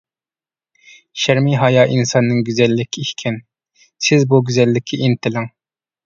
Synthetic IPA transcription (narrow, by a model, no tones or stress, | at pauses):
ʃæɾmiɦɑjɑːʔinsɑnːɨŋɡʲyzɛlːɪkʲʰːiiʃkʲʰɛn | sɪzbuɡʲyzɛlːɪkʲʰiʔint̪ʰɪlɪŋ